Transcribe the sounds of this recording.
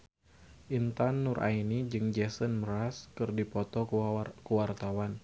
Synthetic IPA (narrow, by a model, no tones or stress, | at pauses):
ʔint̪anːurʔa̰inid͡ʒɨŋd͡ʒɛsənməɾaskɨrdipɔt̪ɔkəwart̪awan